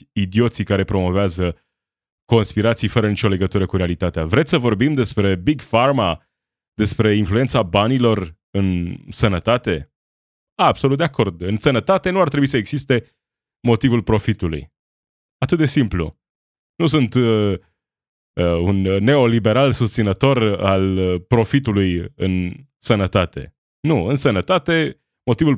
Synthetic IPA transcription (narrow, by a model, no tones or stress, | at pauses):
id̪io̞t̪sijkaɾe̞pɾo̞mo̞veazə | ko̞nspiɾat̪sijfəɾənit͡ʃo̞le̞ɡət̪uɾəkuɾealit̪at̪ea̰vɾe̞t̪sʲsəvo̞rbimd̪e̞spɾe̞biɡfarma | d̪e̞spɾe̞influe̞nt̪sabanilo̞r | ɨnsənət̪at̪e̞ | abso̞lut̪d̪eako̞rd̪ɨnsənət̪at̪e̞nuart̪ɾebuisəeɡz̥ist̪e̞ | mo̞t̪ivulpɾo̞fit̪ulṵj | at̪ɨt̪̚d̪e̞simplṵ | nus̬unt̪ | əunːe̞o̞libe̞ɾalsust̪sinət̪o̞ralpɾo̞fit̪̬ulujɨ̰n | sənət̪at̪e̞̰ | nuɨnsənət̪at̪e̞ | mo̞t̪ivul